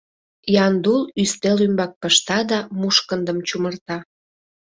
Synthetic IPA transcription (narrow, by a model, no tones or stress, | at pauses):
jɑnd̪ulyst̪elymbɑk̚pəʃt̪ɑd̪ɑmuʃkənd̪əmt͡ɕumərt̪ɑ